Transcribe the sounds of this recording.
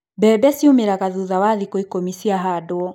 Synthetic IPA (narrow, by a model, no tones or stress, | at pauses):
bɛːbɛsiomeɾaɣaðuðawaðikoikomisiaɦaːdoɔ